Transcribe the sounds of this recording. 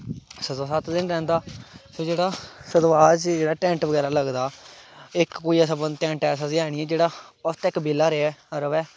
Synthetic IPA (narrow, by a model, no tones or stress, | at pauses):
səd̪aːsət̪d̪ɪnɾɛ̃ːnd̪aːsoːd͡ʒeːɽaːsəd̪ʋaːt͡ʃd͡ʒeːɽaːʈɛ̃ːɳʈʋəɡɛːɾaːləɡd̪aːɪkːoːiːɛsabənd̪t̪ɛ̃ːɳʈɛːsãːziɛːɽ̃iːɛːd͡ʒeːɽaːət̪ːɪkbɪːlaːɾeɛːəɾəʋɛː